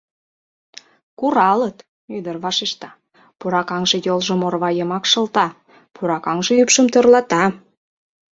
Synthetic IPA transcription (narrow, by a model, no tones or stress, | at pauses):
kuɾɑlət̪ | yd̪ərβɑʃeʃt̪ɑ | puɾɑkɑŋʒĕjolʒəmorβɑjəmɑkʃɤ̆lt̪ɑ | puɾɑkɑŋʒĕypʃəmt̪ørlɑt̪ɑ